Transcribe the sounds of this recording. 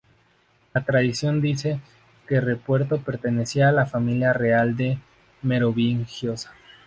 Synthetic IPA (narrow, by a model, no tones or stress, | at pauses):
lat̪ɾaðisjo̞nd̪ise̞ | kerepwe̞ɾt̪o̞pe̞ɾt̪e̞ne̞siaːlafamiljare̞ald̪e̞ | me̞ɾo̞βiŋxjo̞sḁ